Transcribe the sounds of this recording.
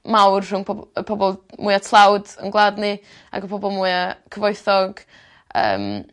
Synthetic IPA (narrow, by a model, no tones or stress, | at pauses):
mawrr̥ʊŋpʰɔəpʰɔbɔlˠmuɨatʰlˠawdə̰nɡlˠaːdnɨ | a̰ɡəpʰɔbɔlˠmuɨakʰəvɔjθɔɡ | ə̰ːm